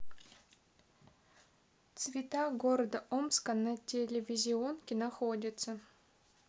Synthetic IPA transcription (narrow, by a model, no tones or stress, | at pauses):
t̪svʲɪt̪aɡoɾəd̪əʔomskanɐtʲelʲevʲizʲɪonkʲɪnaxodʲɪt̪sə